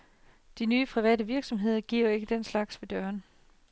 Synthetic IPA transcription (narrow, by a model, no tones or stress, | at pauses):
d̥inyːpʰʁiʋɛ̰ːdəʋiɐɡ̥sɒ̽mɦe̝ð̰ˠɐɡ̥iɐ̰e̝ɡ̥əd̥enslɑ̈ɡ̥sʋe̝d̥ɶɐn